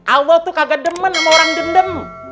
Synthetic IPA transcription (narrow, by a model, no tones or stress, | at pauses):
ʔalːɔht̪ukaɡadəmənamaoɾaŋdəndəm